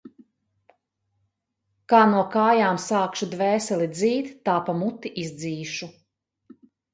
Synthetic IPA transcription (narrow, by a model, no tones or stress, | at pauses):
kaːnuɔkaːjaːmsaːkʃud̪vɛːsɛlˠid̪ziːt̪ːaːpamut̪ːiʔizd̪ziːʃu